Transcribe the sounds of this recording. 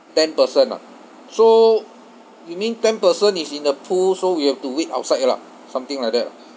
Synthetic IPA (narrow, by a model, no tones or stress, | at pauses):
tɛ̃npəsə̃nla̰ | so | jumĩntɛ̃npəsə̃nisĩndəpʰulsowihɛftuweta̰ʊtsaɪtla̰ | sãmt̪ĩŋlajk̚dɛ̰t̚la̰